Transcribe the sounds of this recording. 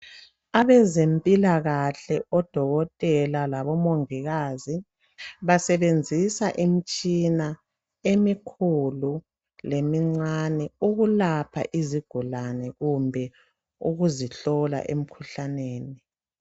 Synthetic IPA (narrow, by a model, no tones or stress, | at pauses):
aβɛzempʼilaɣaɬɛɔd̥ʱɔɣɔtʼɛlalaβɔmoŋiɣaːzi | βasɛβend͡zʱisaʔimit͡ʃʼina | emikʰulu | lemiŋ͡ǀanɛuɣulapʰa̰ʔiziɡ̥ʱulanɛɣumbʱɛ | uɣuziɬɔla̰ʔḛm̩kʰuɬaneːni